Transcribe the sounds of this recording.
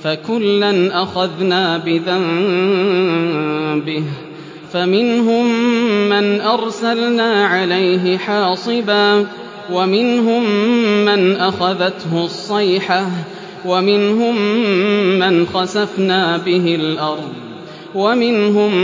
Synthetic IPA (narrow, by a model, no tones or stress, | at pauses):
fakʊlːanʔaxaðnaːbɪðam | bɪh | famɪnɦʊmːanʔɑɾˤsalnaːʕalajɦɪħɑːsˤɨbaː | wamɪnɦʊmːanʔaxaðat̪hʊsˤːɑjħa | wamɪnɦʊmː | anxɑsafnaːbɪɦɪlʔɑɾˤd̪ˤ | wamɪnɦʊm